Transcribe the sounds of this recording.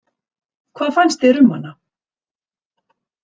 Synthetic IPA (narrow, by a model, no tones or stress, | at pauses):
kʰvaːðfajnst̪ɛɾʏmhanːa